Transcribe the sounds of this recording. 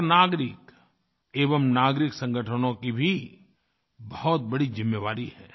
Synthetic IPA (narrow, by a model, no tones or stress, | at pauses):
naːɡɾɪk | eːʋəmnaːɡɾɪksɐ̃ŋɡʱəʈʰənõkibʱi | bɐɦɔt̪̚bɐɽid͡ʒɪmːeʋaːɾihɛː